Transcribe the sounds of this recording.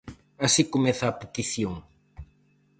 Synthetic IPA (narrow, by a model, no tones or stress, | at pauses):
asikomɛθɐːpet̪iθjoŋ